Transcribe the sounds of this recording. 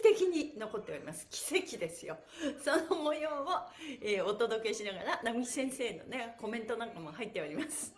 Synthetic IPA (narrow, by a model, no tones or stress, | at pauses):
t̪e̞kʲiɲ̟ino̞ko̞t̪ːe̞oɾʲimasɨ̥kʲi̥se̞kʲid̪e̞sɨjo̞ | so̞nomojoːoeːo̞t̪o̞d̪o̞ke̞ɕinaɡaɾanamii̥sẽ̞ɰ̃se̞ːno̞̰ne̞ko̞mẽ̞nt̪o̞nãŋkamo̞hait̪ːe̞oɾʲimasɨ̥